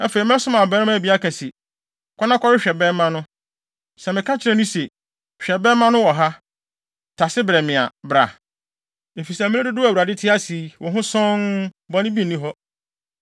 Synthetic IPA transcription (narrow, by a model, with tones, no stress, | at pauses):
æ˦fe˨i˨mɛ̃˦sʊ̃˦mã˨bɛː˨˦ñ˦ɛ˦˨bi˦a˦kʰæ˨si˨ | kʰɔ˦nã˦kʰʷɔ˦ɾɪ˦ɕᶣɛ˨bɛ˦mã˦nʊ̃˦ | sɛ˨mɪ̃˨kʰã˦t͡ɕʰɪ˦ɾɛ̃˦nʊ̃˦se˨ | ɕᶣɛ˨bɛ˦mã˦nʊ̃˦wɔ˨ɦa˦ | tʰa˨sɪ˦bɾɛ˨mɪ̃˨a̰˨bɾa̰˨ | e˨fi˨sɛ˨mɪ̃˦ɪ˦ʊ˦dʊ˦æ˨u˨ɾa˨dɪ˦tʰɪ˦a˦si˨˦wɔ˨ɦʊ̃˦sɔ̃˦n | bɔ̃˨˦nɪ̃˦bi˦˨nĩ˦ɦɔ˦